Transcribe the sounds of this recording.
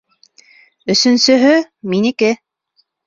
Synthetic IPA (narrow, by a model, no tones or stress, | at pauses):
ɵ̆sɵ̆nsɵ̆ɦɵ | minĭkɘ